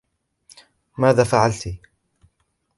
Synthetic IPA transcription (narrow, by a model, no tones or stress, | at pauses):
maːðaːfaʕalt̪i